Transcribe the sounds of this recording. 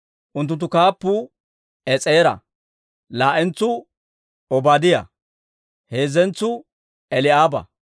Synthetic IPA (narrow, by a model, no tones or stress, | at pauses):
ʔʊnt̪ːʊnt̪̬ːʊkaːpːuʊ | ɛt͡sʼeːɾɐ̰ | laːʔɛnt͡sːʊ | ɔbaːd̪ɪjɐ̰ | heːzɛnt͡sːʊ | ɛlɪaːbɐ̰